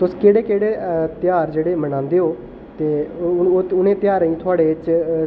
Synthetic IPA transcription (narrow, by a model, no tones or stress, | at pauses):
t̪ʊskeːɽeːkeːɽeːt̪ɪjaːɾd͡ʒeːɽeːmənãːnd̪eːɦoː | t̪eːoːʊnẽːt̪ɪjaːɾĩːt̪ʰʊaːɽeːt͡ʃ